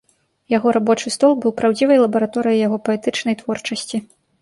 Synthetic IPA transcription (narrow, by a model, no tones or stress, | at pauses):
jaɣɔɾabɔt͡ʂɨst̪ɔlˠbɨwpɾawd͡zʲivɐjlˠɐbɐɾat̪ɔɾɨjɐjaɣɔpɐɛt̪ɨt͡ʂn̪ɐjt̪vɔrt͡ʂɐsʲt͡sʲi